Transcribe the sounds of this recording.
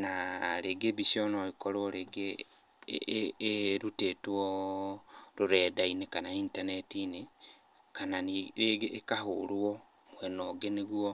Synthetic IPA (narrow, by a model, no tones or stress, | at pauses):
naleɡebisjonoikoɾoɾeɡe | ɾutetwo | ɾuɾedainekanaiːntanetine | kanaeɡːkahulwo | wenoɡeneɣwo